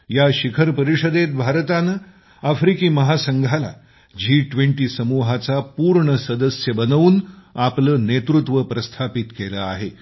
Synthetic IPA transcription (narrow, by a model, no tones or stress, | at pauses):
jaɕikʰəɾpəɾiʂəd̪et̪̚bʱaɾt̪anə | afɾikiːməɦasəŋɡʱala̰ | d͡ʑiːʈʋeɳʈiːsəmuɦat͡sapuɾɳəsəd̪əsjəbənəʋuːnapləːnet̪ɾut̪ʋəpɾəst̪ʰapit̪keləa̰ɦe